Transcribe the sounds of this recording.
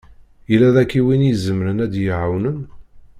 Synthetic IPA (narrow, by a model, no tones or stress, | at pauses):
jəlæðækːiwinjzəmɾənæd̪jəʕawnən